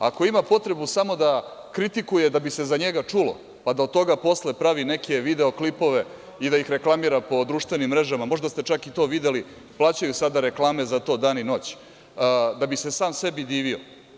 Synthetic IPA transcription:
a̰ko̞imapo̞t̪ɾe̞busamo̞d̪akɾit̪ikuje̞d̪abise̞zaɲe̞ɡat͡ʂulo̞̰ | pad̪aod̪̚t̪o̞ɡapo̞sle̞pɾaʋine̞ke̞ʋid̪e̞oklipo̞ʋe̞ | id̪ajixɾe̞klˠamiːɾapo̞d̪ɾuʃt̪ʋenimːɾe̞ʒamamo̞ʒd̪ast̪et͡ʃakit̪o̞ːʋid̪e̞li | plˠaːt͡ɕajusad̪aɾe̞klˠaːme̞zat̪o̞ːd̪aːnino̞ːt͡ɕː | d̪abise̞saːmse̞bid̪iːʋio

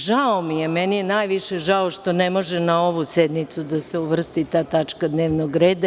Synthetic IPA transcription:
ʒaomijemɛnijenaːjʋiʃeʒaoʃt̪o̞nemo̞ʒɛnao̞ʋused̪nit̪sud̪aseuʋr̩st̪it̪aːt̪at͡ʂkad̪neːʋnoɡɾeːd̪a

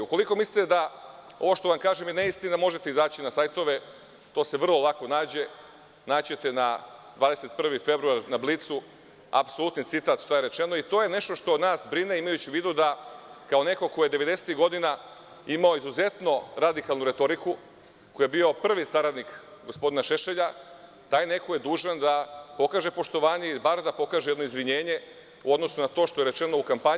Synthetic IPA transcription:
uko̞liko̞mislit̪ed̪a | o̞ʋo̞ʃt̪o̞ʋamkaːʒemjeneist̪ind̪amo̞ʒe̞t̪eizaːt͡ɕinasajt̪o̞ʋe̞ | t̪o̞ːseʋr̩lˠo̞lˠako̞naːd͡ʑe̞ | naːt͡ɕe̞t̪e̞nad̪ʋaːd̪eset̪̚pr̩ʋife̞bɾuaɾnablit̪su | a̰psolut̪nit̪sit̪aːt̪ʃt̪aje̞ɾe̞t͡ʃe̞noit̪o̞ːje̞ne̞ʃt̪o̞ʃt̪o̞naːsbɾine̞imajut͡ɕiʋiːd̪ud̪akaone̞ko̞ko̞jed̪e̞ʋe̞d̪eset̪iɦɡo̞d̪ina | imao̞izuze̞t̪no̞ɾad̪ikalnuɾe̞t̪o̞ɾiku | kojebio̞pr̩ʋisaɾad̪nikɡo̞spo̞d̪inaʃe̞ʃe̞ʎa | t̪aːjne̞koje̞d̪uːʒand̪apo̞kaːʒe̞po̞ʃt̪o̞ʋaːɲeibaɾd̪apo̞kaːʒejed̪noizʋiɲe̞ːɲe̞ | uo̞d̪no̞sunat̪o̞ʃt̪o̞je̞ɾe̞t͡ʃe̞no̞ukampaɲ

